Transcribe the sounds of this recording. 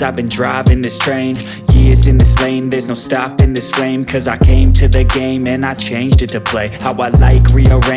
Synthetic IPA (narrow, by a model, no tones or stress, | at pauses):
aɪvbɨ̃ndɹaɪvɪ̃ŋðɪstʰɹ̥ẽɪ̃n | jɪzɨ̃nðɪslẽɪ̃nðə˞znoʊstɑpɨ̃nðɪsflẽɪ̃mkʰʌzaɪkʰẽɪ̃mtʰɨðɨɡẽɪ̃mɨ̃naɪt͡ʃʰẽɪ̃nd͡ʒdɨtʰɨpʰl̥eɪhaʊaɪla̰ɪkɹiəɹẽ